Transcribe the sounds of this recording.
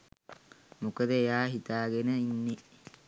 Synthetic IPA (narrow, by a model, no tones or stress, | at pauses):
mʊkːɐd̪ejaːɦɪt̪aːɡɐnɐɪnːɪ